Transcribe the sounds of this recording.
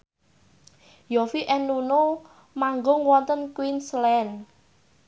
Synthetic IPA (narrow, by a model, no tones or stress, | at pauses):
jofiʔɛnːuno | maŋɡʊŋwɔnt̪ənkwinslɛn